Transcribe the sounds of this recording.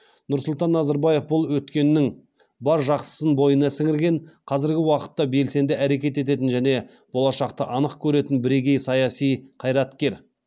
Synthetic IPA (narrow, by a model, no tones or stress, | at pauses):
nʊɾsʊlˠt̪ɑnːɑzɑɾbɑje̞fbʊlˠwɵt̪kʲe̞nːɪŋ | bɑɾʒɑqsə̥sənbo̞jənɑsɪŋɪɾɡʲe̞ɴqʰɑzɪɾɡʲɪwɑqə̥t̪ːɑbe̞lse̞nd̪ɪæɾe̞kʲe̞t̪e̞t̪e̞t̪̬ɪnʒæne̞ | b̥o̞lˠɑʃɑqt̪əʔɑnəqkʲʰɵɾe̞t̪ɪnbɪɾe̞ɡʲe̞jsɑjɑsijqʰɑjɾɑt̪kʲe̞ɾ